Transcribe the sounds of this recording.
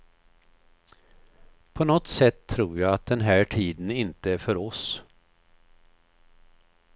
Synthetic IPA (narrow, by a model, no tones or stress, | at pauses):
pʰɔnɔt̪sɛt̪ʰːɾuːɾjɑat̪̚d̪ɛnɦæːʈʰiːd̪ənɪnt̪əæfœɾɔs